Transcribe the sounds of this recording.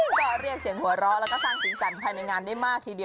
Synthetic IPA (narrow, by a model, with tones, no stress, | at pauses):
pʰɔː˦˥˩ɾi˥˩ək̚si˨˩˦əŋhu˨˩˦ɐɾɔː˦˥lɛ˦˥kɔː˥˩saː˥˩ŋsiː˨˦sa˨˩˦npʰaː˧jna˧jŋaː˧nda˥˩jmaː˥˩k̚t̪ʰiː˧di˧